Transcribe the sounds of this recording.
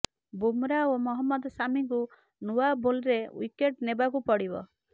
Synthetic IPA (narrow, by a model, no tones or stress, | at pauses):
bumɾaomɔɦɔmːɔd̪ɔsamiŋku | nuabolɾewḭkeʈnebakupɔɽibɔ̰